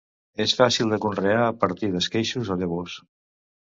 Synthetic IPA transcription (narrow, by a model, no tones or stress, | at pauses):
esfasilˠd̪əkunreaəpəɾt̪iðəskejʃuzaðəβ̞os